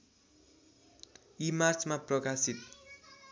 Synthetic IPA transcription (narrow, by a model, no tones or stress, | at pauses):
imart͡smaprʌkasit̪̚